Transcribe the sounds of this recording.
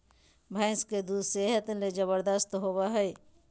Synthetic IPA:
bʱaːɪsked̪ud̪seɦət̪led͡ʒəβəɾd̪əst̪ɦowaɦɛe

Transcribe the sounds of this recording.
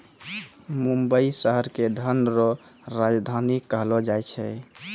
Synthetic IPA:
mumbəisəɦəɾked̪ʱənɾɔ | ɾad͡ʒd̪ʱanikkːəɦlɔd͡ʒajt͡ʃʰɛ

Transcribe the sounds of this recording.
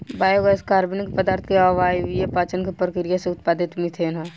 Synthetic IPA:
baːjoɡaskaːɾbinkepəd̪aːɾt̪ʰkeaʋaːiʋijepaːt͡ʃənkepɾəkɾijaseʊt̪̚paːd̪ʱɪt̪mĩt̪ʰena

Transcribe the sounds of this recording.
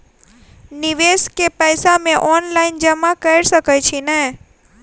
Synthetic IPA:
niʋeskepəjsamẽʔɔnlaind͡ʒəmãkəjɾʃəkəjt͡ʃʰinəɦ

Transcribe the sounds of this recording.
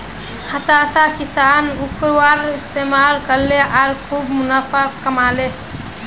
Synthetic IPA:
hət̪asakisanukɾwaɾist̪emalkəɾleaɾkʰubmunəpʰakkːəmale

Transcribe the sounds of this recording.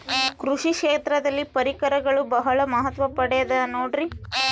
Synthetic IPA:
kɾuʂikʂeːt̪ɾɐd̪ɐlːipɐɾikɐɾɐɡɐɭubɐɦɐɭɐmɐɦɐt̪ʋɐpɐɽɛjɐd̪ɐnoːɖɾi

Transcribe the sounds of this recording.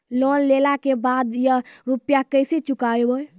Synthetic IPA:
lonlelakebad̪jaɾupjakəjset͡ʃukaeboj

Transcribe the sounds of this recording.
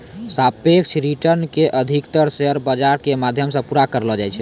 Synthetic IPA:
sapekt͡ʃʰɾiʈəɾnkeʔəd̪ʱikt̪əɾseəɾbəd͡ʒaɾkemad̪ʱjəmsə̃puɾakəɾlɔd͡ʒajt͡ʃʰɛ̥

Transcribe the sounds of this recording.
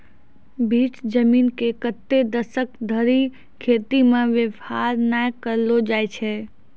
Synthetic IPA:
bʱiːt͡ʃd͡ʒəmiːnkekət̪ːed̪əsəkd̪ʱəɾi | kʰeːt̪imẽʋjəʋhaɾnaːjkəɾlod͡ʒaːjt͡ʃʰɛ

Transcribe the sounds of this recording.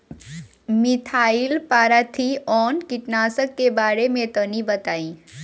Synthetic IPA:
mit̪ʰaːilpaːɾat̪ʰiɔːnkɪʈnaːsəkːebaːɾemẽt̪ənibət̪aːĩ

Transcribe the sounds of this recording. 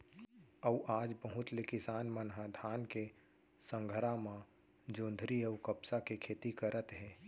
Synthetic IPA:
əuʔaːd͡ʒbəɦʊt̪lekɪsaːnmənɦãd̪ʱaːnke | sə̃ŋɡʱəɾamã | d͡ʒõːnd̪ʱɾiəukəpsakekʰeːt̪ikəɾʔət̪ɦɛ̃ː

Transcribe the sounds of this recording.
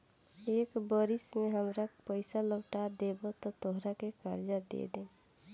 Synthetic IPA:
ekbəɾismeɦəmɾapəjsaləɡʈad̪ebot̪ɔt̪oɦɾakekəɾd͡ʒad̪ḛd̪ẽ

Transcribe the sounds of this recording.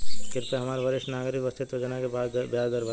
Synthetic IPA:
kɪɾt̪eɦɐmaːɾbɐɾɪʃʈnaːɡɾɪkʋɐst̪et̪od͡ʒɐnakebaːd̪bjaːd͡ʒd̪əɾba

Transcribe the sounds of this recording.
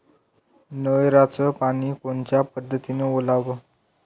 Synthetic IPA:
nəjɾat͡səpaɽ̃iːkoɳt͡ɕjapəd̪ʱːət̪ineolaʋə

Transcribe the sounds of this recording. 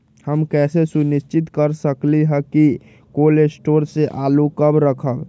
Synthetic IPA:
həmkɛːsesunist͡ʃɪt̪kəɾsəkliɦɛki | kolesʈoːɾseʔaːlukəbɾəkʰəb

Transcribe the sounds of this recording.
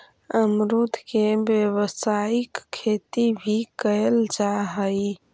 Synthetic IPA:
əmɾut̪kebjəwəsaikʰːet̪ibʱikəld͡ʒaɦəj

